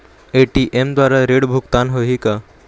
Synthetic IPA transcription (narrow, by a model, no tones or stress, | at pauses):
eʈiʔemd̪waːɾaɾeɽbʱʊkt̪anɦoɦika